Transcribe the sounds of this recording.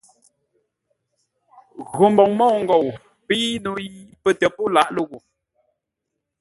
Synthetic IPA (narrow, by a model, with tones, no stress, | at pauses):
ɣo˨mbɔ˨ŋmɔ˦˨ŋ̩˦ɡɔ˨w | pi˦nu˨ji˦pə˨tə˨po˦˨la˦˨ʔlə˦ɣu˨